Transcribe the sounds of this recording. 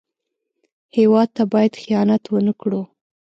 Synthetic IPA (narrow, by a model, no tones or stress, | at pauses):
hewɑd̪̚t̪abɑjad̪xijɑnat̪wənəkɽu